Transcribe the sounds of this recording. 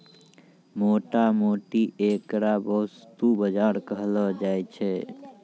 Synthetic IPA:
moʈamoʈiekɾabəɦust̪ubəd͡ʒaɾkəɦlɔd͡ʒajt͡ʃʰɛ

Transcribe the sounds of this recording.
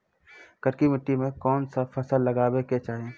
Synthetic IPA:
kɐɾkimɪʈːimẽkɔːnsafɐsəlːɐɡaːweket͡ʃaːɦẽː

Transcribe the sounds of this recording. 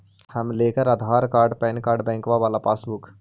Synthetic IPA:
hɐmleːkɐɾɐd̪ʱaːɾkaːɾɖpɐjnkaːɾɖbɐjŋkʋaːʋɐlːɐpaːsbuk

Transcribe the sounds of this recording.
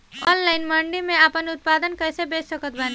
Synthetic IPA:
ɔnlaɪnməɳɖimẽapənʊt̪̚pad̪ənkəsebet͡ʃsəkət̪̚bani

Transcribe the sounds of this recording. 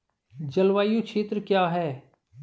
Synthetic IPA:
d͡ʒəlʋaːjũt͡ʃʰeːt̪ɾəkjaːɦɛː

